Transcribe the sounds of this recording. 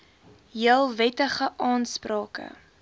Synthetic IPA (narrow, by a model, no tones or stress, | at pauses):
ɦiəlˠvɛtəχəʔɑːnsprɑːkə̰